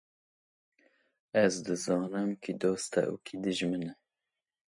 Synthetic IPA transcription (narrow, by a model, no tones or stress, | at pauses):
ɛzd̪ɨzɑːnɨmkʰid̪oːst̪ɛ̰ʔṵkʰid̪ɨʒmɨnɛ